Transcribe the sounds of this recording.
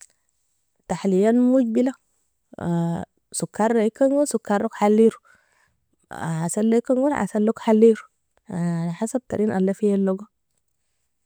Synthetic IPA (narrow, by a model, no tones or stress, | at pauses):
t̪aħlijanmuɟbila | sukʰːaɾˤːajikːaŋɡosukːaɾˤokħalːiɾu | asalːaikaŋɡuɾʔa̰salːokħalːiɾu | aħasab̚t̪a̰ɾinʔa̰lːafijalːoɡa